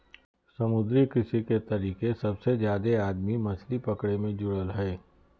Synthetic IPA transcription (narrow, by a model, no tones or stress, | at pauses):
sɐmʊd̪ɾikɪsiket̪ɐɾiːkesɐbsezjaːd̪eaːd̪mimɐslipɐkɽemẽd͡ʒʊɽəlɦɛː